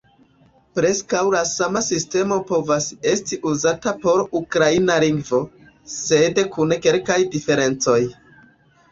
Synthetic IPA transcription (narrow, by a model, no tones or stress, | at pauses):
pɾe̞skawlasamasiste̞mo̞po̞vase̞stiʔuzatapo̞ɾukɾainaliŋɡvo̞ | se̞dkunke̞lkajdife̞ɾe̞nt͡so̞j